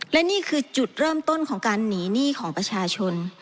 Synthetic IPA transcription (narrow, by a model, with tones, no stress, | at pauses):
lɛ˦˥niː˥˩kʰɯː˧t͡ɕu˨˩t̪̚ɾɤː˥˩mt̪o˥˩nkʰɔː˩˦ŋkaː˧nːiː˩˦niː˥˩˨kʰɔː˩˦ŋpɾa˧t͡ɕʰaː˧t͡ɕʰo˧n